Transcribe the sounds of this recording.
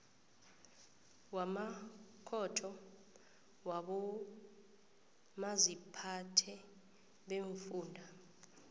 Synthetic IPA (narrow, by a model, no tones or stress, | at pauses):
wamakʰɔtʰɔ | waɓɔ | mazipʰatʰɛ | ɓeɱfuːndʱa